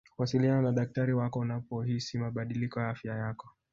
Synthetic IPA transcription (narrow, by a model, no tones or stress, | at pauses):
kuasilianɔnaɗak̚taɾiwakɔunapɔɦisimaɓaɗilikɔjaafjajakɔ